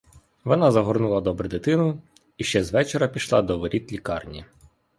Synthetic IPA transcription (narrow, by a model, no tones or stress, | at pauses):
ʋɔnɑzɐɦɔrnulˠɐd̪ɔbɾɛd̪ɪt̪ɪnʊ | iʃt͡ʃɛzʋɛt͡ʃeɾɐpʲiʃlˠɑ̰d̪ɔʋɔɾʲʔit̪lʲikɑrnʲi